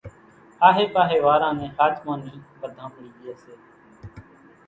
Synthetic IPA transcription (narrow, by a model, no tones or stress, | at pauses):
aːɦeːpaːɦeːʋaːɾãːnẽːhaːt͡ʃmãːnəĩːpəd̪ʱãːpəɳiːdɪjeːseː